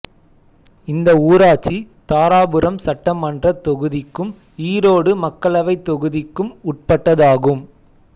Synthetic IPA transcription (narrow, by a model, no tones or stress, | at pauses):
ɪnd̪ɐuːɾaːt͡ʃːit̪aːɾaːbɯɾɐmsɐʈːɐmɐndrɐt̪ːɔɣɯðɪkːɯm | iːɾoːɽɯmɐkːɐɭɐʋɐɪt̪ːɔɣɯðɪkːɯmʊʈ̚pɐʈːɐðaːɣɯm